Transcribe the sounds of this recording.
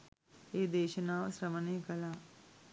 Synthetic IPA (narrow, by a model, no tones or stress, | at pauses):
eːd̪eːʃɐnaːʋəsɾɐmənejəkəlaː